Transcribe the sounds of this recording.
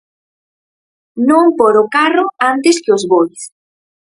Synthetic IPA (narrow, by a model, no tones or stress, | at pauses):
nõŋpoɾʊkarʊant̪ɪskɪʊzβojs